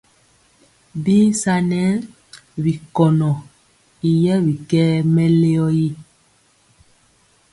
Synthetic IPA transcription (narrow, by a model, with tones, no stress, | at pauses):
biː˦sa˦nɛ˦ | βi˨kɔ˨nɔ˨ | i˨jɛ˦βi˨kɛː˦mɛ˦le˦ɔ˦ji˦